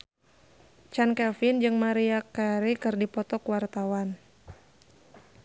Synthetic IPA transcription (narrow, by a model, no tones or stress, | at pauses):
t͡ʃankɛlfind͡ʒɨŋmaɾiakaɾikɨrdipɔt̪ɔkwart̪awan